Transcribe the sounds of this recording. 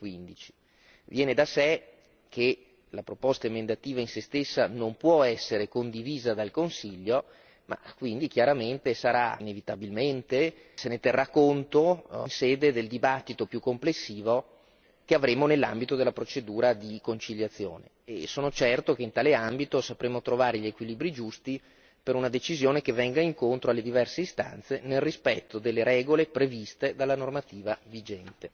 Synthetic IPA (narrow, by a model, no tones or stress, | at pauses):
kwind̪it͡ʃi̥ | vjɛːned̪asɛ | kʰe | lapɾopost̪aimend̪at̪iːvainsest̪esːanompwɔɛsːeɾekond̪iviːzad̪alkonsiʎːo | ma̰kwind̪ik̟jaɾament̪esaɾainevit̪abilment̪e | senet̪erːakːont̪onseːd̪ed̪eld̪ibat̪ːit̪opjukːomplesːiːvo | keavɾeːmonelːambit̪od̪elːapɾot͡ʃed̪uːɾad̪ikont͡ʃiʎjat̪sːjo̰ːne | esoːnot͡ʃɛrt̪okeint̪aːleambit̪osapɾeːmot̪ɾovaːɾeʎiekwiliːbɾid͡ʒust̪i | peɾunad̪et͡ʃizjoːnekevɛŋɡaiŋkont̪ɾoalːed̪ivɛrseist̪a̰nt̪senelrispɛt̪ːod̪elːeɾɛːɡolepɾevist̪ed̪alːanormat̪iːvavid͡ʒɛnt̪e